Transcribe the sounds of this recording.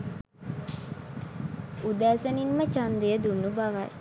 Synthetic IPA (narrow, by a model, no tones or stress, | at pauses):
ud̪aːsəninmət͡ʃand̪ejəd̪unːubaʋaj